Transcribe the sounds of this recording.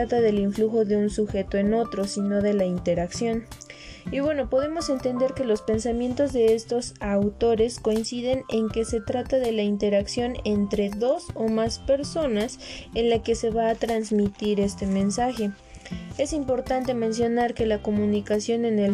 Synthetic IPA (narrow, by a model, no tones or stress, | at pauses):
at̪aðe̞liɱfluxo̞ðe̞unsuxe̞t̪o̞e̞no̞t̪ɾo̞sino̞ðe̞laint̪e̞ɾaksjo̞n | iβwe̞no̞po̞ðe̞mo̞se̞nt̪e̞nd̪e̞ɾke̞lo̞spe̞nsamjẽ̞nt̪o̞zðe̞e̞st̪o̞sawt̪o̞ɾe̞sko̞insiðe̞ne̞ŋke̞se̞t̪ɾat̪aðe̞laint̪e̞ɾaksjo̞ne̞nt̪ɾe̞ðo̞so̞maspe̞ɾso̞nasenlake̞se̞βaːt̪ɾanzmit̪iɾe̞st̪e̞mẽ̞nsaxe̞ | e̞simpo̞ɾt̪ant̪e̞mẽ̞ns̬jo̞naɾke̞lako̞mũnikasjo̞ne̞nel